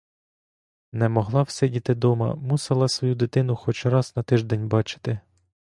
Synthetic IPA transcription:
nɛmɔɦlˠɑw̥sɛdʲit̪ɪd̪ɔmɐ̰muselˠɐsʋɔjud̪ɪt̪ɪnʊxɔt͡ʃɾɑznɐt̪ɪʒd̪ɛnʲbɑt͡ʃɪ̥t̪ɪ

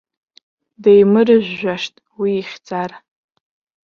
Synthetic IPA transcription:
dejmɨrɨʒᶣʷːaʂtʼ | wiːχʲd͡zar

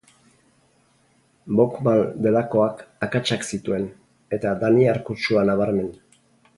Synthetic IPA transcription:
bokmand̪e̞lako̞akakat͡ʃaksit̪ue̞n | e̞t̪ad̪aniaɾkut͡ʃuanaβaɾme̞n

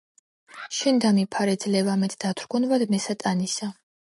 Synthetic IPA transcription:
ʃɛnd̪amipʰaɾɛd̪zlɛvamɛt̪ʰd̪̥at̪ʰɾɡɔnvad̪mɛsat̪ʼanisa

